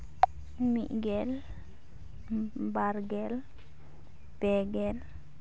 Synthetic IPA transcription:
mḭʔɡɛl | baɾɡɛl | pɛɡɛl

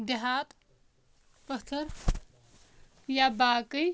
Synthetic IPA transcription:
d̪eɦat̪ | pət̪ʰəɾ | jabaːkəj

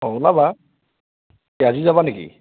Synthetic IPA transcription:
olaba | azizabanekḭ

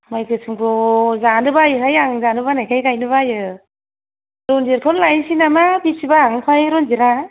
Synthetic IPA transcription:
majkʰɯsʰɯmkʰɔzandɯbajɯɦajaŋzanɯbanajkʰajkajnɯβajɯ | ɾɔndiɾkʰɔnlajsinamabisibaːŋpʰajɾɔnziɾa

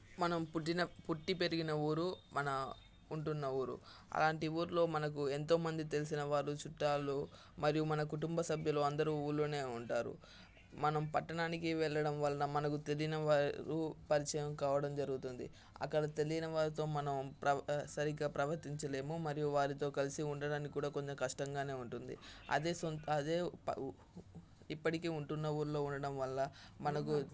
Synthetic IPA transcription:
mɐnɐmpuʈːinɐpuʈːipe̞ɾiɡinɐuːɾumɐnɐ | uɳʈunːɐuːɾṵ | ɐ̰laːɳʈiuːɾlo̞ːmɐnɐk̬ue̞nt̪o̞ːmɐnd̪it̪e̞lis̬inɐʋaːɾut͡ʃuʈːaːlu | mɐɾijumɐnɐkuʈumbɐsɐbʱjɐlo̞ːɐnd̪ɐɾuːuːɾlːoːne̞ːuɳʈaːɾṵ | mɐnɐmpɐʈːɐɳaːnik̬iʋɛɭːɐɽɐmʋɐlːɐnɐmɐnɐkut̪e̞lijinɐʋaːɾupɐɾit͡ʃɐjɐmkaːʋɐɽɐmd͡ʒɐɾuɡut̪und̪ḭ | ɐ̰kːɐɽɐt̪e̞lijinɐʋaːɾit̪o̞ːmɐnɐmpɾɐsɐɾiɡaːpɾɐʋɐɾt̪iɲt͡ʃɐle̞ːmumɐɾijuʋaːɾit̪o̞ːkɐlisiuɳɖɐɽaːnikikːuːɽaːkoɲt͡ʃɐmkɐʂʈɐŋɡaːne̞ːuɳʈund̪ḭɐ̰d̪eːsonɐd̪e̞̰ː | ipːɐʈike̞ːuɳʈunːɐuːɾlo̞ːuɳɖɐɽɐmʋɐlːɐmɐnɐk̬u

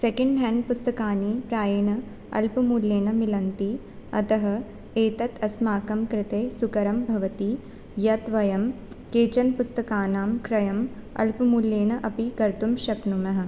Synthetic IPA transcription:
sekɐɳɖɦɛːɳɖ̚pust̪ɐkaːnipɾaːjɐɳɐ | ɐ̰lpɐmuljeːnɐmilɐnt̪i | ɐ̰t̪ɐɦɐ̆ | eːt̪ɐt̪ʰɐsmaːkɐmkɾɪt̪eːsukɐɾɐmbʱɐʋɐt̪i | jɐt̪ʋɐjɐm | keːt͡ʃɐnpust̪ɐkaːnaːmkɾɐjɐmɐ̰lpɐmuljeːɳɐʔɐpikɐɾt̪umʃɐknumɐɦɐ̆

